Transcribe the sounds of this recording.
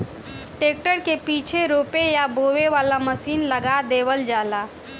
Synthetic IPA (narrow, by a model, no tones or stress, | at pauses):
ʈeːk̚ʈəɾkepit͡ʃʰeɾoːpejaboʋeʋaːlaməsiːnləɡad̪eːʋəld͡ʒaːla